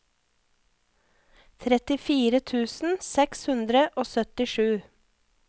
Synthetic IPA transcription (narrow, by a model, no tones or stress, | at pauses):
t̪ʰɾɛt̪ɪfiːɾət̪ʰʉːsn̩sɛkshʉnd̪ɾəʔoːsœt̪ɪʃʉː